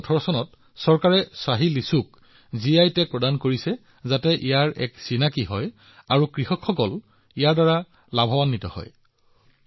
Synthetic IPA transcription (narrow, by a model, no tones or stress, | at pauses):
ɔtʰɔɹɔsɔnɔt | sɔɹkaɹɛsaɦilisuk | ziajtɛpɹɔdankoɹisɛ | zatɛʔijaɹʔɛ̰ksinakiɦɔj | aɹukɹihɔkʰxɔkɔl | ijaɹdaɹa | labʱɔwanːitɔ̰hɔ̰j